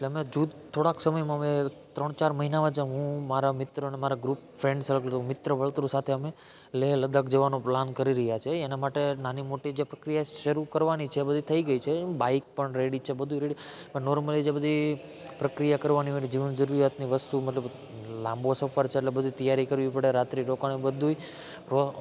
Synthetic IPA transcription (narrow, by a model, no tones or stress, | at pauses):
eʈleəmed͡ʒud̪t̪ʰoɽaksəməjmãme | t̪ɾəɳ̃t͡ʃaɾməɦinaʋãd͡ʒaɦũmaɾamɪt̪ɾəənemaɾaɡɾupfɾẽɳɖsələɡlt̪umɪt̪ɾəʋəɭt̪ɾũsat̪ʰeəme | leləd̪əkd͡ʒəʋanõplankəɾiɾəɦjat͡ʃʰeːnamaʈenanimoʈid͡ʒepɾəkɾijaʃəɾukəɾʋanit͡ʃʰeːbəd̪ʱit̪ʰəiɡəit͡ʃʰebaik̚pəɳɾeɽit͡ʃʰebəd̪ʱuiɾeɽipəɳnɔɾməlid͡ʒebəd̪ʱi | pɾəkɾijakəɾʋaniʋənid͡ʒiʋənd͡ʒəɾuɾijat̪niʋəst̪uməʈləb | lãmbosəfəɾt͡ʃʰeːʈlebəd̪ʱut̪əjaɾikəɾʋipəɽeɾat̪ɾiɾokanebəd̪ʱui | ɾo